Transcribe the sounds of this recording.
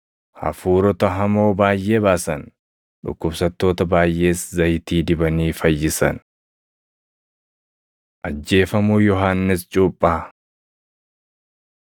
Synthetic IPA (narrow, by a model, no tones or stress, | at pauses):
hɐ̰fuːɾɔt̪ɐɦɐmo̞ːbaːjʔe̞ːbaːsɐn | ᶑʊ̰kːʊbsɐt̪ːo̞ːt̪ɐbaːjʔe̞ːszɐjt̪iːd̪ɪbɐniːfɐjːɪsɐ̰n | ʔɐd͡ʒːe̞ːfɐmuːjɔɦaːnːɪst͡ʃʼuːpʼːɐ